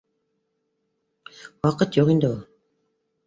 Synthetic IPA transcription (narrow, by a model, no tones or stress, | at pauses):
wɑqət̪joʁind̪ɪw